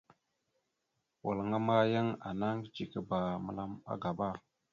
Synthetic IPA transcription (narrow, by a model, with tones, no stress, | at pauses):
wa˨lŋa˦ma˦jə˦ŋa̰˨na˦ŋ˦t͡ʃi˨kə˦ba˨mə̰˨la˦ma̰˦ɡa˨ba˦˨